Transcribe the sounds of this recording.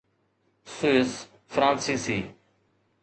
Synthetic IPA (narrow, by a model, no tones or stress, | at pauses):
suɪs | fɾãːnsiːsiː